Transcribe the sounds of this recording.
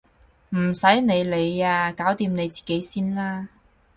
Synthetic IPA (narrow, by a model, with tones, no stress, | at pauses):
m̩˨˩sɐ˨˥jne˨˧jle˨˧jaː˧kaː˨˥wt̪iː˧mne˨˧jt͡si̥ː˨˩ke˨˥jsiː˥nlaː˥